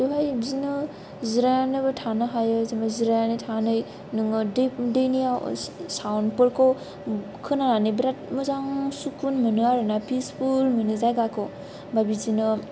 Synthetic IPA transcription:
duɦajbzinɯ | ziɾajnɯbɯtʰanɯɦajɯzimaziɾajanɯjtʰanɯj | nɯŋɯdɯdɯjnijasawnpɯɾkʰɔ | kʰɯnaɾanɯbɾat̚muzaŋsukunmɯnɯaɾɯnapʰispʰulmɯnɯzajɡakʰɔ | babizinɯ

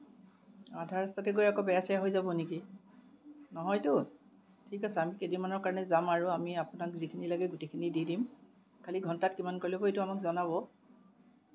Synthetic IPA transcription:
adʱaɹɔstɔtɛɡojakɔbɛjasajaɦojzabɔniki | nɔɦɔjtʊ | tʰikasaamikedimanɔɹkaɹɔnɛzamaɹuamiapʊnakzikʰinilaɡɛɡʊtejkʰinididim | kʰaliɡʱɔntat̚kimankɔɹjlɔbɔejtʊamakzɔnaβɔ

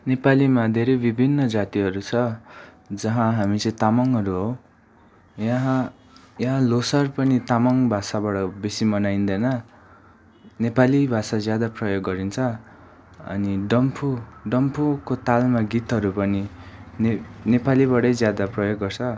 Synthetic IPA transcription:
nepalimad̪ʱeɾʌjbibʱinːʌd͡zat̪iɦʌɾut͡sʰʌ | d͡zʌɦãɦamit͡sʌĩt̪amʌŋɦʌɾuɦow | jaɦã | jʌɦãlosʌrpʌnit̪amʌŋbʱasabaɽʌbesimʌnajnd̪ʌnʌ | nepalibʱasad͡zjad̪aprʌjoɡːʌɾint͡sʰʌ | ʌ̰niɖʌmpʰuɖʌmpʰukot̪almaɡit̪ɦʌɾupʌninenepaliβʌɽʌjd͡zjad̪aprʌjoɡːʌrt͡sʰʌ

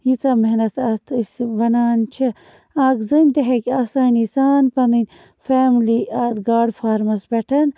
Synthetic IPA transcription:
jit͡saːmeɦnɐt̪ʰat̪ʰisʋɐnaːnt͡ʃʰe | aːɡzɨnʲd̪eɦekaːsaːnisaːnpɐnɨnʲ | feːmliaːt̪ɡaːɖfʰaːɾmɐsbeʈʰɐn

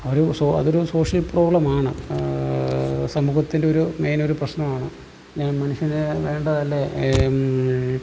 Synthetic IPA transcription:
ɐoɾusoɐ̰ðo̞ɾuso̞ːʂjɐlpro̞ːɭɐmaːɳɨ | sɐmuːɣɐt̪ːinde̞o̞ɾume̞ːno̞ɾuprɐɕnɐmaːɳɨ | ɲaːnmɐnuʂjɐnɨʋe̞ːɳɖɐðɐlːe̞

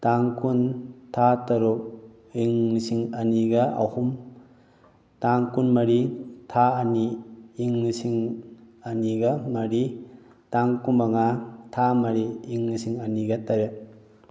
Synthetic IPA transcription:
taŋkuntʰatɐɾuk̚ | iŋnisiŋɐniɡɐʔa̰hum | taŋkunmɐɾitʰaːniːŋnisiŋɐniɡɐmɐɾi | taŋkumaŋatʰamɐɾiːŋnisiŋɐniɡɐtɐɾe

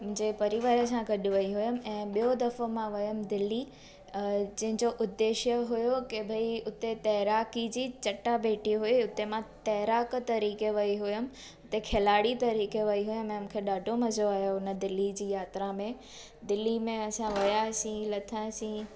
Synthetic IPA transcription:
mʊ̃ɦɪ̃ɲd͡ʑepɐɾiʋaːɾəs̬ãɡɐɗɪʋɐiɦʊjʊm̆ɛ̃ːɓijod̪ɐfomãʋɐjəmd̪ɪlːi | d͡ʑɐ̃ɦɪ̃ɲd͡ʑoʔʊd̪ːeːʃjəɦʊjokebʱɐiʊt̪et̪ɐɦɾaːkid͡ʑiːt͡ɕɐʈːabʱeːʈiɦʊiʊt̪emãt̪ɐɦɾaːkt̪ɐɾiːkeʋɐiɦʊjʊmɪ̆ | ʊt̪ekʰelaːɽit̪ɐɾiːkeʋɐiɦʊjəmɛ̃mkʰeɗaːɖʱomɐzoaːɦjoʊnə̆d̪ɪlːid͡ʑiːjaːt̪ɾamẽ | d̪ɪlimẽɐsãʋɐjasĩːlɐt̪ʰasĩː

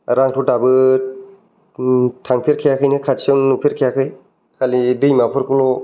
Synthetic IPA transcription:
ɾaŋtʰudabɯ | tʰaŋpʰiɾkʰijakʰɯjnɯkʰatsawnnupʰiɾkʰijakʰɯj | kʰalibɯjmapʰɯɾkulo

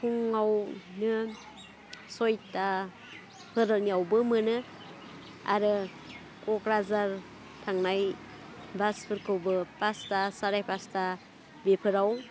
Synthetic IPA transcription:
kʰuŋawnɯ | sɔjta | pʰɯɾaniawbɯmɯnɯ | a̰ɾɯ | kɔkɾazaɾ | tʰaŋnaj | baspʰɯɾkʰɯwbɯpastasaɾajpasta | bepʰɯɾaw

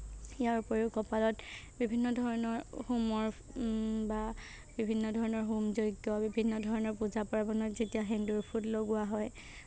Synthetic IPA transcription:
ijaɹpoɹukɔpalɔtbibʱinːɔdʱɔɹɔnɔɹhumɔɹ | ba | bibʱinːɔdʱɔɹɔnɔɹɦumzojɡjɔbibʱinːɔdʱɔɹɔnɔɹpuzapɔɹabɔnɔzetijaɦɛnduɹpʰutloɡʊwaɦɔj

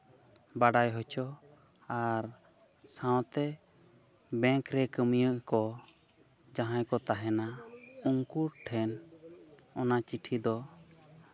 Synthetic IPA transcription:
baɖajɦɔt͡ʃɔ | aɾ | sãw̃t̪ɛ | bɛ̃ŋkɾɛkəmijəʔkɔ | d͡ʒaɦãjkɔt̪aɦɛnauŋkuɾʈʰɛn | ɔnat͡ʃiʈʰid̪ɔ

